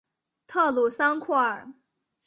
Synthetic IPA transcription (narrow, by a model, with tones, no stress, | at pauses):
t̪ʰɤ˥˩lu˨˩sɑ˥ŋkʰwɔ˥˩ə˞˨˩˦